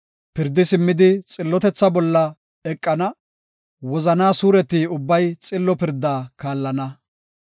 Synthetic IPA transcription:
pɪɾd̪ːɪsɪmːɪd̪ɪt͡sʼɪlːɔt̪ɛt͡sːɐbɔlːɐ | ɛkʼːɐnɐ | wɔzɐnaːsuːɾɛt̪iːʊbːɐjt͡sʼɪlːɔpɪɾd̪ːaːkaːlːɐnɐ

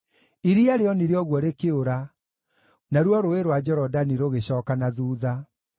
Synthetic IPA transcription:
iɾiaɾeɔniɾeɔɣwɔɾekeoɾa | naɾwɔɾoeɾwad͡ʑɛɾɔdaniɾoɣeɕɔːkanaðuːða

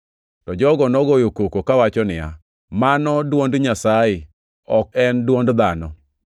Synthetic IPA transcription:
tɔd͡ʒɔɡɔnɔɡojokokokawat͡ʃɔnɪja̰ | manɔdwondɲasaɪ | ɔkɛndwondd̪anɔ

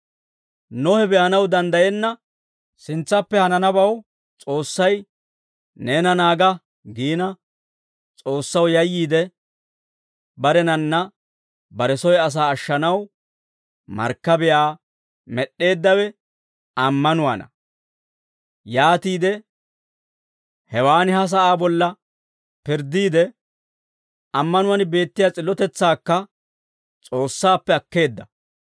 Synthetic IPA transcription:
nɔhɛbɛjɐnɐwd̪ɐnd̪ɐjɛnːɐ | sɪnt͡sːɐpːɛhɐnɐnɐbɐw | t͡sʼo̞ːsːɐj | ne̞ːnɐnaːɡɐ | ɡiːnɐ | t͡sʼo̞ːsːɐwjɐjːiːd̪ɛ | bɐɾɛnɐnːɐ | bɐɾɛsɔjɐs̬aːʃːɐnɐw | mɐ̰ɾkːɐbɛjaː | mɛɗːe̞ːd̪ːɐwɛ | ɐmːɐnʊwa̰nɐ̰ | jaːt̪iːd̪ɛ | hɛwaːnɪhɐs̬ɐʔaːbɔlːɐ | pɪɾd̪iːd̪ɛ | ɐmːɐnʊwɐnɪbe̞ːt̪ːɪjat͡sʼɪlːɔt̪ɛt͡sːaːkːɐ | t͡sʼo̞ːsːaːpːɛɐkːe̞ːd̪ːɐ

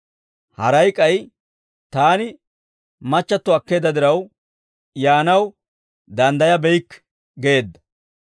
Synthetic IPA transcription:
hɐɾɐjkʼːɐj | t̪aːnɪ | mɐt͡ʃːɐt̪ːɔɐkːe̞ːd̪ɐd̪ɪɾɐw | jaːnɐw | d̪ɐnd̪ɐjɐbɛjkː | ɡeːd̪ːɐ̥

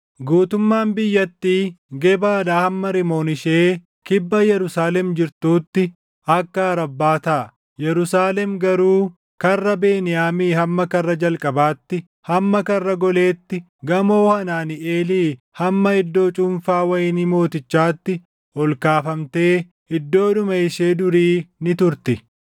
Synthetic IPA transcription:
ɡuːt̪ʊmːaːnbɪjːɐt̪ːiːɡɛbaːd̪aːhɐmːɐɾɪmoːnɪʃeː | kɪbːɐjɛɾʊsaːlɛmd͡ʒɪɾt̪uːt̪ːɪ | ɐkːɐɐɾɐbːaːt̪ɐː | jɛɾʊsaːlɛmɡɐɾuː | kɐrːɐbeːnɪjaːmiːhɐmːɐkɐrːɐd͡ʒɐlkʼɐbaːt̪ːɪ | hɐmːɐkɐrːɐɡɔle̞ːt̪ːɪ | ɡɐmo̞ːhɐnaːneːliː | hɐmːɐɪd̪ːo̞ːt͡ʃʼʊmfaːwɐjɪnimo̞ːt̪ɪt͡ʃːaːt̪ːɪ | ɔlkaːfɐmt̪e̞ː | hɪd̪ːo̞ːᶑʊmɐɪʃeːd̪ʊɾiːnɪt̪ʊɾt̪ɪ

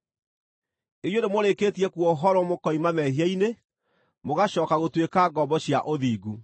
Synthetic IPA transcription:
ejondemoɾekeːtiɛkuwɔoɦɔɾɔmokɔimamɛɦiaine | moɣaɕɔːkaɣotwekaɡɔmbɔɕjaʔoðiːɡu

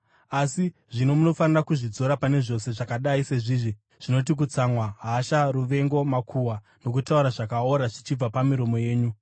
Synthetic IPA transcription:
asiʐino̞muno̞fanirakuʐid͡zo̞ɾapane̞ʐo̞se̞ʐakaɗaise̞ʐiːʐi | ʐ̥ino̞t̬ik̬ut͡samwaɦaʃaruʋe̞ŋɡo̞makʰuwa | no̞k̬utauɾaʐakaoɾaʐit͡ʃib͡vapamiɾo̞mo̞je̞ːɲu

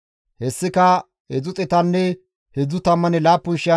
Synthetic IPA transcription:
hɛsːɪkɐ | hɛd͡zʊt͡sʼɛt̪ɐnːɛ | hɛd͡zʊt̪ɐmːɐnɛlaːpːʊnʃɪjɐ

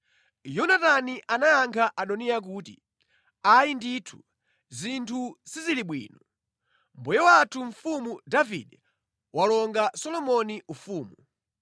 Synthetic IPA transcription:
jɔnataniʔanajaŋkʰaʔaɗɔniak̬uːtḭ | ajinditʰu̥ | zintʰusiziliɓwḭːnɔ | m̩bɔjɔwatʰuɱ̩fumudavḭɗɛ | walɔŋɡasɔlɔmɔniufuːmu

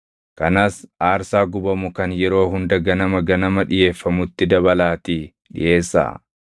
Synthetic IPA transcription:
kɐnaːsaːɾsaːɡʊbɐmʊkɐnjɛɾo̞ːɦʊnd̪ɐɡɐnɐmɐɡɐnɐmɐᶑɪje̞ːfːɐmʊt̪ːɪd̪ɐbɐlaːt̪i | ᶑɪ̰jʔe̞ːsːa̰ː

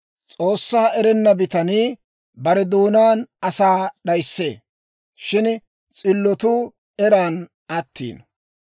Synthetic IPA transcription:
t͡sʼo̞ːsːaːɛɾɛnːɐbɪt̪ɐniː | bɐɾɛd̪uːnaːnɐsaːɗɐjsːe̞ː | ʃɪn | t͡sʼɪlːɔt̪uː | ɛɾaːn | ɐt̪ːḭːn

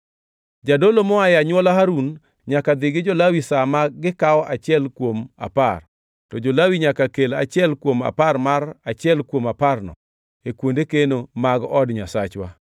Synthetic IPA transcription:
d͡ʒadolomɔajaɲwɔlaɦaɾun | ɲakad̪ɪɡɪd͡ʒolawisamaɡɪkawɔʔat͡ʃɪɛlkwoma̰par | tɔd͡ʒolawiɲakakelat͡ʃɪɛlkwoma̰parmarat͡ʃɪɛlkwomaparnɔ̰ | ekwondekenomaɡɔdɲasat͡ʃwa̰

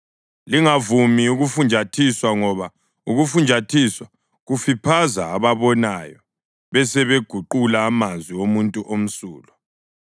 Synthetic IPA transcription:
liŋavumiuɣufund͡ʒʱatʰiswaŋɔβa | uɣufund͡ʒʱatʰiswa | ɣufipʰazaːβaβɔnajɔ | βɛsɛβeɡ̥ʱuǃulaːmanzwiwomuntʼuʔom̩sṵːlɔ

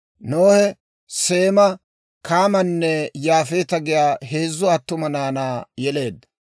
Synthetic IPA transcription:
noːhɛ | se̞ːmɐ | kaːmɐnːɛjaːfeːt̪ɐɡɪjaːɦe̞ːzːʊɐt̪ːʊmɐnaːnaːjɛle̞ːd̪ːɐ

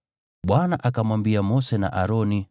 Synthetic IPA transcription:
ɓwanaʔakamwambiamɔsɛna̰ʔaɾɔni

